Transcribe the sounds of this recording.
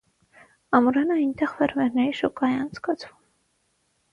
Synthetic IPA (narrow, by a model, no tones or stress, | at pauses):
ɑmuɾɑnəɑjnt̪ɛʁvɛɾmɛɾnɛɾiʃɔkʼɑjɛɑnt͡sʰkɑt͡sʰvum